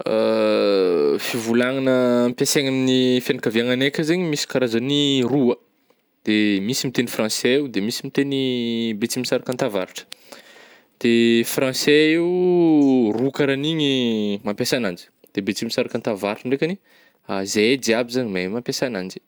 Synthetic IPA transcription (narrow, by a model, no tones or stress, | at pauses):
ə | fivulaŋanəːmpʲaseɲaminifjanakaviaŋanekʲəzeɲimisi̥kaɾazaniruə | d̪̥emisimit̪enifrɑ̃sɛewd̪emisimit̪enibet͡simisaɾakant̪ava̰ɾuʈ͡ʂə̥ | d̪̥efrɑ̃sɛiw | rukaɾaniɲimampʲasanand͡ʒi̥ | d̪̥ebet͡simisaɾakãnt̪avaɾuʈ͡ʂəɳɖ͡ʐekani | azeed͡ziabizaɲimamampʲjasanand͡ʒi̥